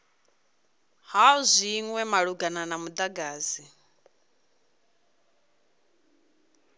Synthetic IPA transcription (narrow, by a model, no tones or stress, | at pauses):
hauzʷiŋwɛmaɺuɡananamud̪aɡaːzi